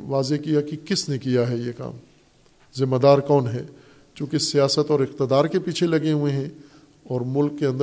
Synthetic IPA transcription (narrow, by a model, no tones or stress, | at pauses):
ʋaːzekijakikɪsnekijaɦɛjeka̰ːm | zɪmːəd̪aːɾkɔːnɦɛː | t͡ʃũːkisijaːsət̪ɔːɾɪqt̪əd̪aːɾkepiːt͡ʃʰelɐɡeɦueɦɛ̃ | ɔːɾmʊlkːeɐ̃nd̪ə